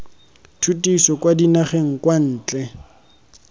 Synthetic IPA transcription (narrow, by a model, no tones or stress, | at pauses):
tʰutʼisɔkwadinaχeŋ̩kwan̩ːt͡ɬʼɛ